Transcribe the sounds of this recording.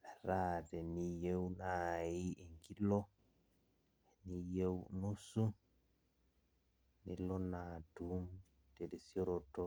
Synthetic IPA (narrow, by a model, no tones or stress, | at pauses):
ɾaːtɛnijewnaːjieŋɡilɔ | nijewnusu | nilɔnaːdum | tɛdɛsiɔɾɔtɔ